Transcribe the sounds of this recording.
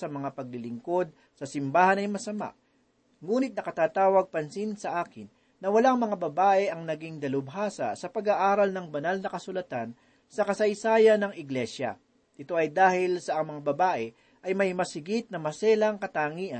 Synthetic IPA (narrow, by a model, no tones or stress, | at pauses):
sɐmɐŋapɐɡ̚lɪlɪŋko̞d̪̚ | sɐsɪmbaːhɐnɐjmɐsɐma̰ʔ | ŋuːnɪt̪̚nɐkɐt̪aːt̪aːwɐɡ̚pɐnsinsɐʔaːkɪnː | ɐwɐlaŋmɐŋabɐbaːʔɛʔɐŋnɐɡiŋd̪ɐlʊbɦaːsɐ̰sɐpɐɡaʔaːɾɐlnɐŋbɐnalnɐkɐsʊlɐt̪an | sɐkɐsɐjsaːjɐnɐŋɪɡlɛʃjɐ̰ | ʔɪt̪o̞ʔɐjd̪aːhɪlsɐʔɐŋmɐŋabɐbaːʔɛ | ʔɐjmɐjmɐsɪɡit̪̚nɐmɐsɛːlɐŋkɐt̪aːŋiːʔɐ